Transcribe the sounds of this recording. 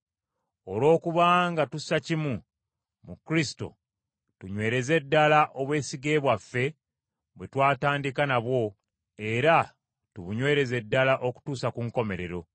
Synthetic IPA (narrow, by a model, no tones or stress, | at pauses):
o̞lwo̞ːkuβaŋɡatusacimu | mukɾisi̥to̞̰ | tuɲwe̞ːɾe̞ze̞dːalaʔo̞βwe̞ːsiɡe̞ːβwafːe̞ | βwe̞twaːtaːndikanaβwo̞ | e̞ɾa | tuβuɲwe̞ːɾe̞ze̞dːalaʔo̞ku̥tuːsakuŋko̞me̞ɾe̞ɾo̞